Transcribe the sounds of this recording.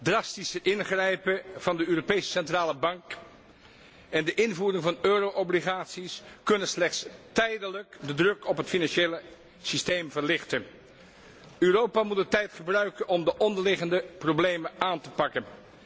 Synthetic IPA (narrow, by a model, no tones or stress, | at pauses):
drɑstisəʔɪnχrɛjpəv̥ɑndəøːropejsə̥sɛntraːləbɑŋk | ɛndəʔɪnvuːrɪŋvɑnøːrowʔobliχaːtsiskɵnənslɛχtstɛjdələkdədrɵkɔpɦətfinɑnʃejlə | sistejmvəɹlɪχtən | øːrowpaːmut̚dətɛjtχəbrœɥkənɔmdəʔɔndəɹlɪχəndəprowblejməaːntəpɑkən